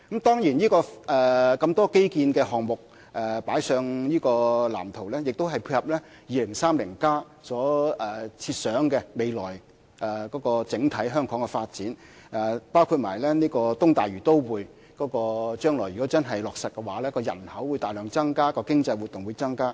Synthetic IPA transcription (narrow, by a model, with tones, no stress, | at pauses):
kɐ˨˥mt̪ɔː˥ŋjiː˨˩njiː˥kɔː˧ʔɛː˨˩kɐ˧mt̪ɔː˥ke˥jkiː˧nkɛː˧ɦɔː˨ŋmʊ˨k̚ | ʔɛː˨˩paː˨˥jsœː˧ŋjiː˥kɔː˧la̰ː˨˩mt̪ʰo˨˩wlɛː˥jɪ˨k̚t̪o˥wɦɐ˨jpʰuː˧t̚hɐ˨p̚lɛː˥ | jiː˨˧lɪ˨˩ŋsaː˥mlɪ˨˩ŋkaː˥ | sɔː˨˥ʔɛ˨˩t͡sʰiː˧t̚sœː˨˥ŋkɛ˧me˨˧jlɔ̰ː˨˩j | ʔɛ˨˩kɔː˨˥kɔː˧t͡sɪ˨˥ŋt̪ʰɐ˨˥jɦœː˥ŋkʰɔː˨˥ŋkɛ˧faː˧t̚t͡siː˨˥n | ʔɛ˨˩paː˥wkʰu˧t̚maː˨˩jlɛː˥niː˥kɔː˧t̪ʊ˥ŋt̪aː˨˩jyː˨˩t̪o˥wwuː˨˧j | kɔː˨˥kɔː˧t͡ʃœː˥ŋlɔ̰ː˨˩jyː˨˩kɔ˨˥t͡sɐ˥nɦɐ˨jlɔː˨k̚sɐ˨t̚kɛ˧waː˨˥lɛː˥kɔː˧jɐ˨˩nhɐ˨˥wːu˨˧jt̪aː˨jlœː˨˧ŋt͡sɐ˥ŋkaː˥kɔː˧kɪ˥ŋt͡sɐ˧jwu˨t̚t̪ʊ˨ŋwuː˨˧jt͡sɐ˥ŋkaː˥